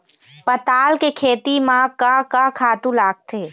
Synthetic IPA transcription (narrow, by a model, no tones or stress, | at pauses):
pɐt̪aːlkekʰeːt̪imãkakakʰaːt̪ũlaːɡ̚t̪ʰeː